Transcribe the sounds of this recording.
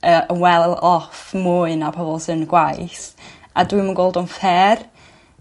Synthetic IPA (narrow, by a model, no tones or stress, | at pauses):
əəwɛlˠɔfmuɨnapʰɔvɔlˠsənɡwajs | adwiːmənɡoːlˠdɔnfɛːr